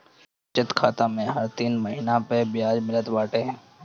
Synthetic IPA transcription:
t͡ʃɪt̪kʰaːt̪amẽɦɐɾt̪iːnməɦinapebjaːd͡ʒmɪlət̪baːʈeɦɛ̃ː

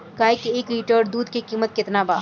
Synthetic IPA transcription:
kaːekieːkɾiːʈəːɖd̪uːd̪kikiːmət̪̚kɪt̪nabaː

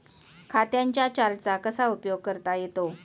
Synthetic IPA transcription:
kʰat̪jãɲt͡ɕjat͡ɕaɾt͡sakəsaupjoɡ̚kəɾt̪ajet̪o

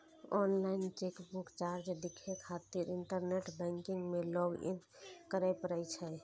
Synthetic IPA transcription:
ɔnlaint͡ʃekbukt͡ʃaɾd͡ʒɖ̪ikʰekʰat̪iɾinʈəɾneʈbɛ̃ŋkiŋɡmelɔɡḭn | kəɾəjpəɾəjt͡ʃʰəj

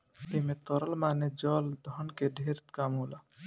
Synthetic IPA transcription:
t̪emet̪ɔɾəlmaːned͡ʒɔːld̪ʱɔnkeɖʱeɾt̪kamɦola

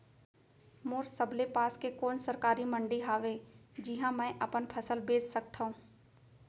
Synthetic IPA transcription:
moːɾsəblepaːskekoːnsəɾkaːɾimə̃ɳɖiɦaːʋed͡ʒɪɦãmɛ̃ːʔɐpənpʰəsəlbeːd͡ʒsək̚t̪ʰaɦũː

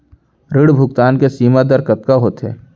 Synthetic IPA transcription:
ɾɪɽbʱʊk̚t̪aːnkesiːmad̪əɾkɐt̪̚kaɦoːt̪ɦɛ̰ː

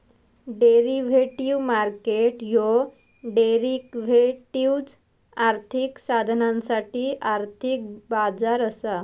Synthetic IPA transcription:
ɖeɾiʋeʈiʋmaɾkeʈjo | ɖeɾikʋeʈiwd͡z | aɾt̪ʰiksad̪ʱnãnsaʈiːʔaɾt̪ʰik̚bad͡zaɾəsa

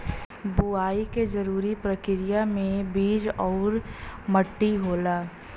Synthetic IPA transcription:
buaːiked͡ʒɐɾuːɾipɾəkɪɾɪjamẽbiːd͡ʒɔːɾməʈːiɦoːlaː

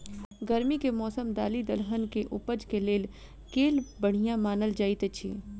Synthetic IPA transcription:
ɡəɾmikemɔːsəmd̪aːlid̪ɐlxənkeʔʊpəd͡ʒkeleːl | keːlbɐɽ̤ijãmaːnəld͡ʒaːit̪et͡ʃʰḭː

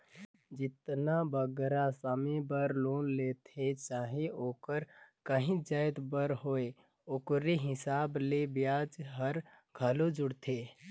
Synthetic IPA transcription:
d͡ʒɪt̪nabəɡɾasaːmibəɾloːnlet̪ʰet͡ʃaːɦeoːkəɾkəɦĩd͡ʒaːjd̪bəɾɦoːe | oːkɾeɦɪsaːblebjaːd͡ʒɦəɾ | ɡʱəlod͡ʒʊɽt̪ʰe

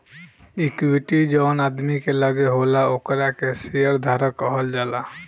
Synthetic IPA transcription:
ikiʈid͡ʒɔnad̪mikeləɡeɦolaokɾakesejəɾd̪ʱaɾəkɔɦɔld͡ʒaːla

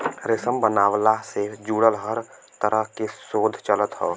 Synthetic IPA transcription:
ɾɪsəmbənaːwlased͡ʒuːɽəlɦəɾt̪əɾəɦkesoːd̪ʱt͡ʃələt̪ɦoː

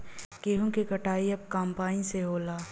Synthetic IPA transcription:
keːɦũkikɐʈaːiɐb̚kaːmpaːnĩseɦoːlaː

